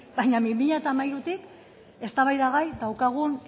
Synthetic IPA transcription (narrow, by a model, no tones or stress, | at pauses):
bajɲamimiʎat̪amajɾut̪ik | e̞st̪aβajðaɣajd̪awkaɣ̞un